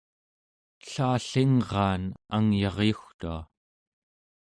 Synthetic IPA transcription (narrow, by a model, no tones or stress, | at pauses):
ɬaːɬiŋʁɑːnaŋjɑʁjuxt̪ua̰